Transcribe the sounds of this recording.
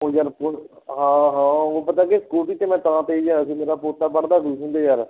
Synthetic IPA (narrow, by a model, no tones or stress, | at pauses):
oːjaːɾpo | ɦãːɦãːoːpət̪aːkeskuːʈiːt̪eːmɛ̃ːt̪aãːt̪eːiːd͡ʒaːɾəsĩːmeːɾaːpoːt̪ːaːbəɳd̪aːduːsnd̪eːjaːɾ